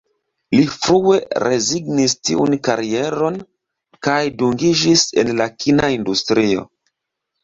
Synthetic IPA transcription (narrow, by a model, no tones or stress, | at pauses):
lifɾue̞ɾe̞ziɡnistḭṵnkaɾie̞ɾo̞n | kajduŋɡid͡ʒise̞̰nlakʰinaindustɾio̞̰